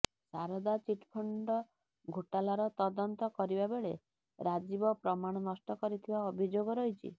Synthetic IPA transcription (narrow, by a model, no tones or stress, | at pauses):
saɾɔd̪at͡ʃiʈpʰɔɳɖɔ | ɡʱoʈalaɾɔt̪ɔd̪ɔnt̪ɔkɔɾibabeɭe | ɾad͡ʒibɔpɾɔmaɽ̃ɔnɔsʈɔkɔɾit̪ʰibaɔbʱid͡ʒoɡɔɾɔɦjt͡ʃʰḭ